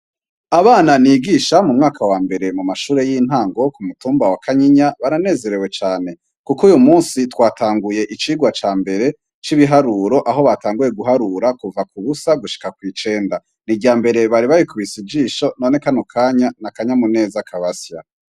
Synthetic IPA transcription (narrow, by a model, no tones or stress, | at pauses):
aβaːnaniːɡiːʃamumŋaːkawaːmbe̞ɾe̞mumaʃuːɾe̞jiːn̥haːŋɡo̞kumutuːmbawakʰaɲiɲaβaɾane̞ːze̞ɾe̞we̞t͡ʃaːne̞ | kukujumuːnsitwaːtʰaːŋɡuje̞ʔit͡ʃiːɡwat͡ʃaːmbe̞ɾe̞ | t͡ʃiβiɦaɾuːɾo̞ʔaɦo̞βataːŋɡuje̞ɡuɦaɾuɾakuvakuβusaɡuʃi̥kakwiːt͡ʃe̞ːnda | niɟaːmbe̞ɾe̞βaɾiβaɾikuβisid͡ʒiːʃo̞no̞ne̞kanokʰaːɲanakaɲamune̞ːzakʰaβasja